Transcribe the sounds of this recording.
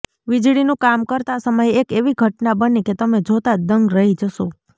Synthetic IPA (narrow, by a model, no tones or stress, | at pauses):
ʋɪd͡ʒɽinũkamkəɾt̪asəməjekeʋiɡʱəʈnabəniket̪əmed͡ʒʱot̪ad̪əŋɡɾəɦid͡ʒəʃo